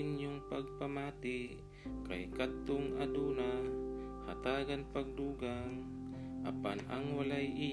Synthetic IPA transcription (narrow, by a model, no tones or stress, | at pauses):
ɪnjoŋpaɡ̚pamaːt̪ɪ | ka̰jkat̪ːoŋʔad̪uːna | hat̪aːɡanpaɡ̚d̪uːɡaŋ | ʔa̰panaŋwalajʔɪ